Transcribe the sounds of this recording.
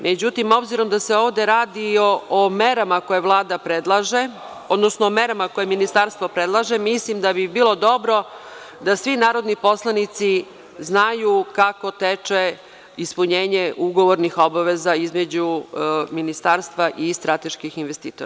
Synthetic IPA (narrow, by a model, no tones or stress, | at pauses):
mʔe̞d͡ʑut̪imo̞bziɾo̞md̪ase̞o̞ːʋd̪e̞ɾaːd̪ioomeɾamako̞je̞ʋlˠaːd̪apɾed̪lˠaʒe | od̪nosnoːme̞ɾamako̞jeminist̪aːɾst̪vo̞pɾed̪lˠaʒemislimd̪abibiːlˠo̞d̪o̞bɾo̞ | d̪asʋinaːɾo̞d̪nipo̞slˠanit̪si | znajukako̞t̪et͡ʂe | ispuɲeːɲe̞ʔuɡo̞ʋoɾnixo̞baʋe̞zaizme̞d͡ʑuminist̪aːɾst̪ʋaʔist̪ɾat̪e̞ʃkixinʋest̪iːt̪oɾaa